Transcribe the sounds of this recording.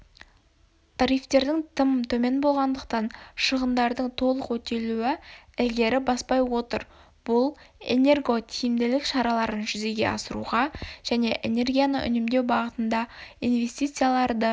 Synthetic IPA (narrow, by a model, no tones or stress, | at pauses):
t̪ʰɑɾijft̪e̞ɾd̪ɪŋt̪ʰəmt̪ʰɵme̞nbo̞lˠʁɑnd̪əq̚t̪ɑnʃəʁənd̪ɑɾd̪əɴt̪ʰo̞lˠəqwɵt̪e̞luɪɪld̪e̞ɾɪbɑspɑjwo̞t̪əɾ | b̥ʊlˠḛne̞rɡo̞t̪ʰijɪmd̪ɪlɪkʃɑɾɑlˠɑɾənʒʏze̞ɡʲe̞̰ʔɑ̰səɾṵʁɑʒ̥æne̞ʔḛne̞rɡʲijanə̰ʔʏ̰nɪmd̪e̞wbɑʁət̪ənd̪ɑinve̞st̪ijt̪sɨjalˠɑɾd̪ə